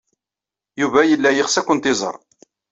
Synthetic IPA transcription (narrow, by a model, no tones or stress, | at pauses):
juvæjəlːæjəχsækʷːʊnt̪ɪzˤə̰ɾˤ